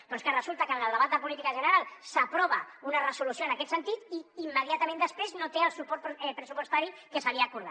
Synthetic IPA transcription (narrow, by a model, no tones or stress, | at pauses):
d̪ɔnskərəzulˠt̪əkənəlˠd̪əβat̪d̪əpulit̪ikəʒənəɾalˠsəpɾɔβ̞əunərəsulusjoənəkɛt̪sənt̪it̪iimːəð̞iat̪əmẽnd̪əspɾeznot̪eəlˠsupɔɾt̪pɾəsupwəst̪aɾikəsaliaːkuɾða̰